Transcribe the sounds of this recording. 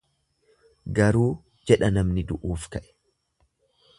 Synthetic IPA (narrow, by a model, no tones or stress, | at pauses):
ɡɐɾuː | d͡ʒɛᶑɐnɐmnɪd̪ʊʔuːfkɐʔɛ̥